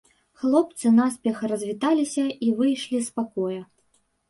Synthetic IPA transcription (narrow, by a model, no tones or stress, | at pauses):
xlˠɔp̚t̪sɨnaspʲɛxrɐzʲvʲit̪alʲisʲɐivɨjʂlʲispakɔjɐ